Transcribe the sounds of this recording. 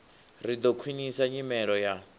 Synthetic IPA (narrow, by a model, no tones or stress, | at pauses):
rid̪ɔkʰwinisaɲimɛɺɔja